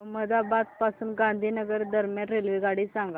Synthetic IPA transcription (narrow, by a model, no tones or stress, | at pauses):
məd͡z̪abat̪̚pasuːnɡãnd̪ʱiːnəɡəɾd̪ʱəɾmjãʈɾelʋiɡaɽiːsãŋɡa